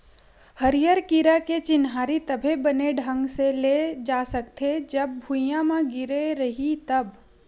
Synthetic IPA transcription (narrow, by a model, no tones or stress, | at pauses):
hɐɾijəɾkiɾaket͡ʃɪnɦaːɾit̪ɐbʱebɐneɖʱə̃ŋɡseled͡ʒaːsɐkt̪ʰed͡ʒɐb̚ːʱʊjãmãɡɪɾeɾɐɦit̪ɐb